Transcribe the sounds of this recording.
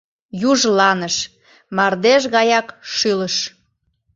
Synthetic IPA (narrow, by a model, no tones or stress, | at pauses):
juʒlɑnəʃ | mɑrd̪eʃɣɑjɑkʃyləʃ